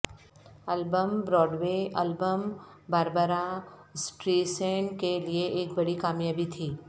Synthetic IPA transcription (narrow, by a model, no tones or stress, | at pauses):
ɐlbəmbɾɔːɖʋeːɐlbəm | baːɾbəɾasʈɾiːsẽːnkelieʔeːkbɐɽikaːmjaːbit̪ʰiː